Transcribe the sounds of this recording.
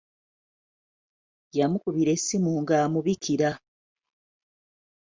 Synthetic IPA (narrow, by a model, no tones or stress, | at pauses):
jamukuβiɾe̞sːimuːŋɡaːmuβikʰiɾa